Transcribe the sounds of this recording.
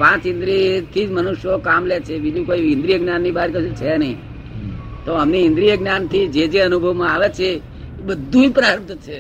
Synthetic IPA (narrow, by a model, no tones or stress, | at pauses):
pãt͡ʃɪ̃nd̪ɾit̪ʰid͡ʒmənuʃjokamlet͡ʃʰebid͡ʒũkoiɪ̃nd̪ɾijəɡnanːibaɾkəʃũt͡ʃʰenəɦĩ | t̪oəmniɪ̃nd̪ɾijəɡnant̪ʰid͡ʒed͡ʒeənubʱəʋmãaʋet͡ʃʰe | ebəd̪ʱːũd͡ʒpɾaɾət̪ʰət͡ʃʰe